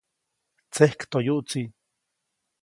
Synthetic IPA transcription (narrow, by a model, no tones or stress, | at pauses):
t͡sehkt̪ojuʔt͡si